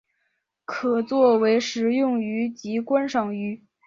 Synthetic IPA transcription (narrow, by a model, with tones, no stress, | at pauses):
kʰɤ˨˩t͡swɔ˥˩we˧˥ɪʂɻ̩˧˥jʊ˥˩ŋy˧˥t͡ɕi˧˥kwa˥nʂɑ˨˩ŋy˧˥